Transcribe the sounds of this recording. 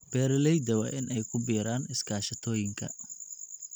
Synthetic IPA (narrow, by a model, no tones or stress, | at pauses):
b̥ɛːɾɪlɛjd̪ɐwɐ̰ʔɪnʔɛjkʰʊbiːɾaːnɪskʰaːʃɐt̪ʰɔːjɪŋkʰɐ̰